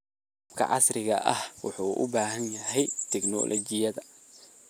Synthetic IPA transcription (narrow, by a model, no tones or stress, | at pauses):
q | bkʰɐ̰ʕɑ̰srɪɣɐ̰ʔɐhwʊħuːʔʊ̰baːɦɐnjɐɦɛjt̪ʰɪɡnɔ̰lʔɔt͡ʃɪjɐðɐ